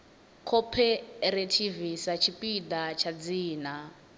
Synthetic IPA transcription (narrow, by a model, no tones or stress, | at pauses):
kʰɔpʰɛɾetʰivisat͡ʃʰipʼidat͡ʃʰad͡ziːna